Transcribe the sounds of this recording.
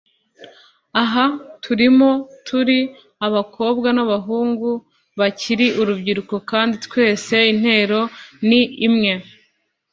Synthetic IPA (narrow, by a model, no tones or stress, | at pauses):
aɦatʰuɾimo̞tʰuɾi | aβakʰo̞ːbɡanaβaɦuːŋɡu | βaciɾiʔuɾubɟiɾuko̞kaːnditwe̞ːse̞in̥he̞ːɾo̞niimŋe̞